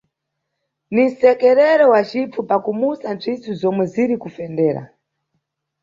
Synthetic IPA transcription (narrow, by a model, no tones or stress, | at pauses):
nin̩sɛkɛɾɛɾɔwat͡ʃifupakumusant͡ʃʰit͡sʰuzɔmwɛziɾikufɛndɛːɾa̰